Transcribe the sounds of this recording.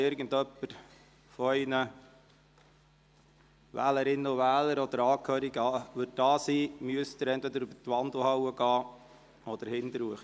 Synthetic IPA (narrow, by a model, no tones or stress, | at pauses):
ɪɾɡəndœpːəɾ | fɔɛɪnə | ʋæ̰ːləɾɪnːəʊʋæːləɾɔd̪əɾɑːkʰhøːɾiɡəɑːʋɵd̚dɑːsiːmyəst̪əɾɛnt̪ʋɛd̪əɾybətʋɑnd̪l̩ˠhɑwəɡɑː | ɔd̪̥əɾhɪnd̪əɾuəχə